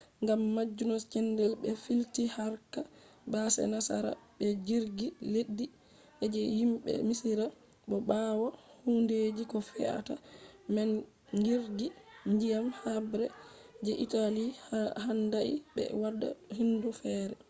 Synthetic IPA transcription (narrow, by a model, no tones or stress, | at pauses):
ŋɡamːad͡ʒːunɔst͡ʃɛndɛlbɛfiltihaɾka | basɛ̰nasa̰ɾa̰bɛd͡ʒiɾɡiledːi | ʔɛd͡ʒɛhimɓɛ̰misiɾa | ɓɔbawahunded͡ʒikɔfɛ̰ʔa̰tamɛn | ɡiɾɡiɲd͡ʒijamhabɾɛd͡ʒɛʔitalihandaʔḭbɛ̰wadːa̰hindufɛːɾɛ